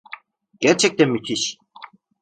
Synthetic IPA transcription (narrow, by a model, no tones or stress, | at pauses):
ɟ̥æɾt͡ʃʰɛk̚t̪ænmyt̪ʰiʃ